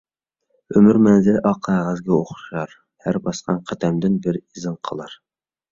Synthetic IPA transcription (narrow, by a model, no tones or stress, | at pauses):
ømyɾmɛnzɪlɪʔɑqʰːæʁəzɡʲɛoχʊ̥ʃɑɾ | hæɾbɑsqɑnqʰæd̪ɛmd̪ɪnbɪɾizɨnqʰəlˠɑɾ